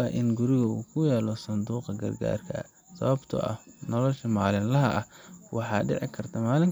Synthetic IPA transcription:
ɐʔɪnɡʊɾɪɣɐuːkʰʊjaːlɔsɐnd̪uːqɐɡɐ̰rɡa̰ːrkʰɐɐ̰ | sɐ̰βɐbt̪ʰɐ̰ʔɐ̰hnɔlɔʃɐmaːlɪnlɐɦɐʔɐhwɑħɑːɖɛ̰ʕɪ̰kʰɐrt̪ʰɐmaːlɪŋ

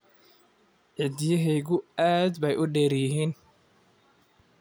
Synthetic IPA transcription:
ʕɪd̪jɐɦɛjɣʊaːd̪bɛjʔʊɖɛːɾjɪɦiːn

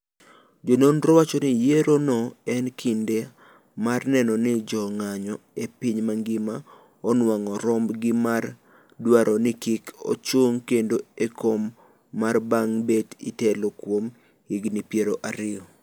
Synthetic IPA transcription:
d͡ʒononɾɔwat͡ʃɔnɪjeɾonɔɛnkʰinde | marnɛnɔnɪd͡ʒɔŋaɲɔ | epiɲmaŋɡɪma | ɔnwaŋɔɾɔmbɡɪmar | dwaɾʔɔnɪkɪkʰo̰t͡ʃoŋkendoekomː | arbaŋbetḭtɛlokwom | hiɡnɪpjeɾoʔaɾɪɔ

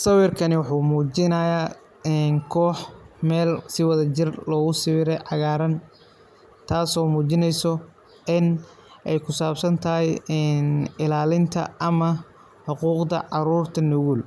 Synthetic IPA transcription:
sɐwɪrkʰɐnɪwɑħuːmuːt͡ʃɪnɐja | nkʰɔːħmɛːlsɪwɑðɐt͡ʃɪrlɔːɣʊsɪɾɛjʕɑɣaːɾɐn | t̪ʰaːsɔːmuːt͡ʃɪnɛjsɔ | ɪn | ʔɛjkʰʊsaːbsɐnt̪ʰɐɦɛjnɪlaːlɪnt̪ʰɐ̰ʔɐmɐ | ħʊquːqd̪ɐ̰ʕɑɾuːrt̪ʰɐnʊɣul

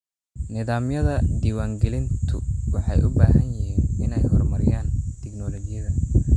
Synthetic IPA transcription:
nɪðaːmjɐðɐd̪iːwaːŋɡɛlɪnt̪ʰʊwɑħɑjʔʊbaːɦɐnjɪɦiːnʔɪnɛjhɔrmɐɾɪjaːnt̪ʰɛɡnɔlɔɡɪjɐðɐ

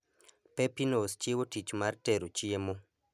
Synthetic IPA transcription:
pepinost͡ʃjewotit͡ʃmarteɾot͡ʃiemo

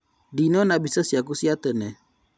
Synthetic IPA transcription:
dinonabisəsiak̬usiatənɛ

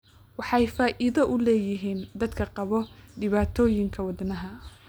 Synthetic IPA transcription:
wɑħɑjfaːʔɪðɐʔʊlɛːjɪɦiːnd̪ɐd̪kʰɐqɑβɔɖɪβaːt̪ʰɔːjɪŋkʰɐwɑd̪nɐɦɐ

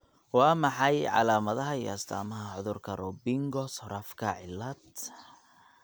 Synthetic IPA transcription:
wɑːmɑħɑjʕɑ̰laːmɐðɐɦɐijɔ̰ɐst̪ʰa̰ːmɐɦɐʕʊðʊrkʰɐrɔbɪŋɡɔsɔɾɐfkʰɐʕɪlːɐd̪̚

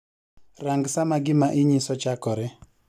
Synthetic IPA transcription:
raŋɡsamaɡɪmaʔɪɲɪsɔt͡ʃakɔɾɛ

